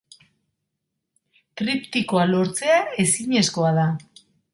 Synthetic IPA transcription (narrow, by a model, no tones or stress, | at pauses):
t̪ɾipt̪iko̞alo̞ɾt͡se̞ae̞siɲe̞sko̞aða